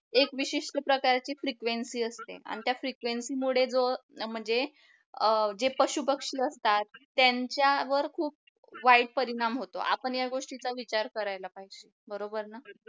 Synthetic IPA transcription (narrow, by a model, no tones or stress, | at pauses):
ekʋiɕiʂʈ̪əpɾəkaɾt͡ɕiːfɾikʋensiːəst̪ḛa̰ɽ̃it̪jafɾikʋensiːmuɽ̤ed͡zom̤əɳd͡ze | d͡ʑepəɕupəkʂiːəst̪at̪ːjaɲt͡ɕjaʋəɾkʰuːp̚ | ʋaiɽpəɾiɽ̃amɦot̪o̰ʔa̰pəɳjaɡoʂʈit͡saʋit͡ɕaɾkəɾajlapajɕe | bəɾobəɾnə